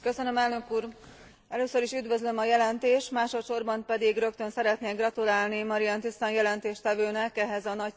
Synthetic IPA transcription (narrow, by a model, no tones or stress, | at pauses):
kø̞sønømɛlnø̞kuːr | ɛløːsøɾiʃyd̪ʋø̞zlø̞mɒjɛlɛnt̪eːʃmaːʃo̞t̪ʃo̞rbɒmpɛd̪iɡrø̞kt̪ø̞nsɛɾɛt̪neːɡrɒt̪ulaːlnimɒɾiɒnt̪ist̪ɒnjɛlɛnt̪eːʃt̪ɛvøːnɛkɛɦɛzɒnɒc